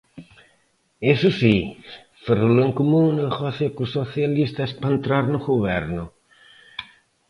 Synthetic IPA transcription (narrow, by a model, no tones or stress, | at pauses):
esusi | feroloeŋkumũnelxɔθjakusoθjalist̪aespant̪ɾaɾnʊɣuβɛɾnʊ